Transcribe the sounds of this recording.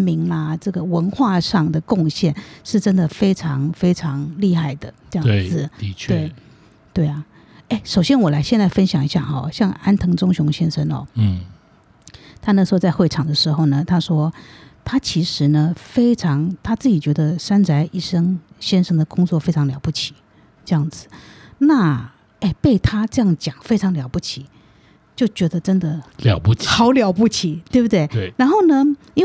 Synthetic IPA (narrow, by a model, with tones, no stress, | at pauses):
nmi˧˥ŋɐ˧ʈ͡ʂɤ˥˩ɡə˩wə˧˥nxwa˥˧ʂɑ˥˩ŋd̪ə˩kʊ˥˧ŋɕjɛ˥˩nʂɻ̩˥˩ʈ͡ʂə˥nd̪ə˨˩fe˥ɪʈ͡ʂʰɑ˧˥ŋfe˥ɪʈ͡ʂʰɑ˧˥ŋli˥˧xa˥˩ɪd̪ə˩ʈ͡ʂjɑ˥˧t͡sɹ̩ʰ˥˩˧we˥˧˩ɪ | t̪we˥˩ɪɐ˩ | e˥˩ɪʂo˨˩ʊɕjɛ˥nwɔ˨˩la˧˥ɪɕjɛ˥˧nt͡sa˥˩ɪfə˥nɕjɑ˨˩ŋi˧˥ɕja̰˥˩ɔ̰˥˩ɕjɑ˥˩ŋa˥nt̪ʰɤ˧˥ŋʈ͡ʂʊ˥ŋɕʊ˧˥ŋɕjɛ˥nʂə˥nɔ̰˨˦ | t̪ʰa˥na˥˩ʂɻ̩˧xo˥˧ʊt͡sa˥˧ɪxwe˥˩ɪʈ͡ʂʰɑ˨˩ŋd̪ə˦ʂɻ̩˧˥xo˥˩ʊnə˩t̪ʰa˥ʂwɔ˥t̪ʰa˥t͡ɕʰi˧˥ʂɻ̩˧˥nə˧fe˥ɪʈ͡ʂʰɑ˧˥ŋt̪ʰa˥t͡sɹ̩˥˩t͡ɕi˨˩t͡ɕɥɛ˧˥d̪ə˧ʂa˥nt͡sa˧˥ɪʔi˥˩ʂə˥ŋɕjɛ˥nʂə˥ŋd̪ə˨kʊ˥ŋt͡swɔ˥˩fe˥ɪʈ͡ʂʰɑ˧˥ŋljɑ˨˧˥ʊpu˥˩t͡ɕʰi̥˨˩˦ | ʈ͡ʂɤ˥˧jɑ˥˩ŋd͡zɹ̩˨˩˦na˥˩ | e˥˩ɪpe˥˩ɪt̪ʰa˥ʈ͡ʂɤ˥˧jɑ˥˩ŋt͡ɕjɑ˨˩ŋfe˥ɪʈ͡ʂʰɑ˧˥ŋljɑ˨˩ʊpu˥˩t͡ɕʰi˨˩˦ | t͡ɕjo˥˩ʊt͡ɕɥɛ˧˥d̪ə˧ʈ͡ʂə˥nd̪ə˨ljɑ̰˨˩pu˥˩xɑ˧˥ʊljɑ˨˩ʊpu˥˩t͡ɕʰi˨˩˦t̪we˥˩bu˩t̪we˥˩ɪɻa˧˥nxo˥˩ʊnə˩ | i˥